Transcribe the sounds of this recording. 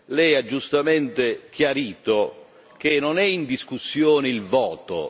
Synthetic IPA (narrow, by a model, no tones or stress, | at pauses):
lɛjad͡ʒːust̪amɛnt̪ek̟jaɾiːt̪o | k̟enɔnɛind̪iskusːjɔːnɪilvɔːt̪o̰